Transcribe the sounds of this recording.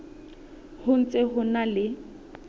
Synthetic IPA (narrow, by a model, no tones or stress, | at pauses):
hʊn̩t͡sʼeɦʊnalɪ